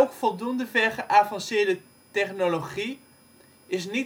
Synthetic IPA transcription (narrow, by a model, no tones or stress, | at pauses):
owkfɔlˠdundəvɛɹχəʔaːvɑnsɪːɹdə | tɛχnoloχi | ɪs̬ni